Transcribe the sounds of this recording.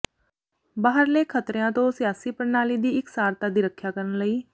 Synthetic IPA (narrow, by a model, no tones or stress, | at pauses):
baːɦəɾleːkʰət̪ɾejãːt̪õːsɪjaːsiːpəɾnaːliːd̪iːɪksaːɾt̪aːd̪iːɾəkʰːjaːkəɾənləiː